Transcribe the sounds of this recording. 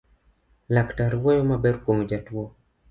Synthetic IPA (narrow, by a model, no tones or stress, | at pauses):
laktaɾwojomabɛɾkomod͡ʒatwo